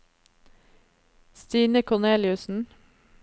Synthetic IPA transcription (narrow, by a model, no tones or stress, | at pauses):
st̪iːnəkʰʊneːlɪʉsn̩